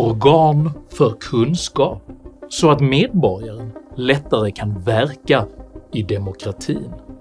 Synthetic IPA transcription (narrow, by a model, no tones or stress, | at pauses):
ɔɾɡɑːnfœɾkʰɵnskɑːp̚sɔat̪meːd̪̚bɔɾjaɾənlɛt̪ːaɾəkʰanvæɾkaɪd̪ɛmʊkʰɾat̪ʰḭːn